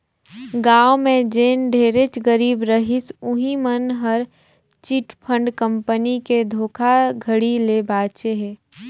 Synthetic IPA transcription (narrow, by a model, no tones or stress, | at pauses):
ɡaːwomẽd͡ʒeːnɖʱeːɾet͡ʃɡəɾiːbɾəɦɪsʊɦimənɦəɾ | t͡ʃiʈpʰə̃ɳɖkə̃mpəniked̪ʱoːkʰaɡʱəɽilebaːt͡ʃeɦɛː